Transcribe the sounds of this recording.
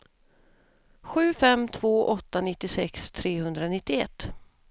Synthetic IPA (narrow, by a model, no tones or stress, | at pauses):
ɧʉ̟ːfɛmt̪ʰv̥oːʔɔt̪ːanɪt̪ːɪsɛkst̪ʰɾeːhɵnd̪ɾanɪt̪ːɪɛ̰t̪ː